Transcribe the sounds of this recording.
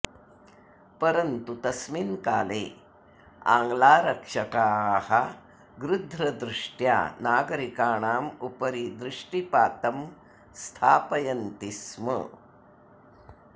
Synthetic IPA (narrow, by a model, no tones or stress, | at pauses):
pɐɾɐnt̪ut̪ɐsminkaːleː | a̰ːŋɡlaːɾɐkʂɐkaːhɐ | ɡɾud̪ʱɾɐd̪ɾuʂʈja̰ːnaːɡɐɾikaːɳaːmupɐɾid̪ɾuʂʈipaːt̪ɐm | st̪ʰaːpɐjɐnt̪ismə̰